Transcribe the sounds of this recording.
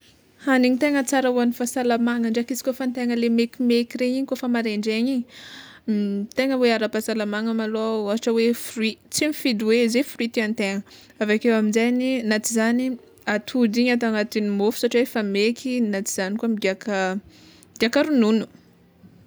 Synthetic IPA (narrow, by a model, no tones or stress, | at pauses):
haniɲit̪eŋət͡saɾəuanifasalamaŋəɳɖ͡ʐakizi̥kʲofant̪eŋəlemekimekiɾeɲiɲikofamaɾeɳɖ͡ʐeɲiɲi | t̪eŋəweaɾapasalamaŋəmaloaaaʈ͡ʂəwefrwit͡simifid̪uwezefruit̪iant̪eŋə | avakewaminzaninat͡sizani | at̪ʰud͡ziɲat̪aŋat̪inimofu̥saʈ͡ʂiwefamekʰinat͡siz̥anikuamid̪iakə | d̪iakəɾununu̥